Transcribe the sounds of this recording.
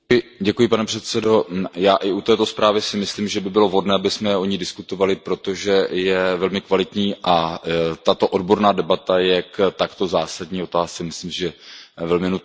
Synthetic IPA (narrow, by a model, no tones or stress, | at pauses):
ɪɟɛkujɪpanɛpr̝̥ɛt̪sɛdo̞jaːʔɪut̪ɛːt̪o̞spɾaːvɪsɪmɪslimʒɛbɪbɪlo̞vɦo̞dnɛːabɪsmɛo̞ɲidɪskut̪o̞valɪpɾo̞t̪o̞ʒɛjɛvɛlmɪkvalɪt̪ɲiːʔat̪at̪o̞ʔodbo̞ɾnaːdɛbat̪ajɛkt̪akt̪o̞zaːsadɲiːo̞t̪aːst͡sɛmɪslimsʒɛvɛlmɪnu